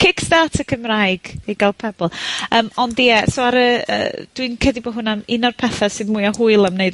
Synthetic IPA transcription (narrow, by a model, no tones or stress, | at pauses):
kʰɪkstatʰəkʰəmraɨɡ̥iɡalˠpʰɛbɔlˠəːmɔndijɛsoaɾəə̰d̥winkʰədibɔɦʊnamɪnɔrpʰɛθasɨðmuɨɔhʊɨlˠamneɨd